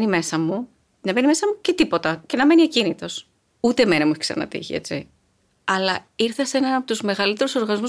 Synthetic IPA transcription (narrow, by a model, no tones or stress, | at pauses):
nime̞sɐmu | nɐve̞nime̞sɐmuce̞t̪ipo̞t̪ɐce̞nɐme̞niecinit̪o̞s | ut̪e̞me̞nɐmueçiksɐ̰nɐ̰t̪ḭçḭe̞̰t͡ssḭ | ɐlɐ | iɾθɐse̞nɐnɐpot̪uzme̞ɣɐlit̪e̞ɾuso̞ɾɣɐnizmu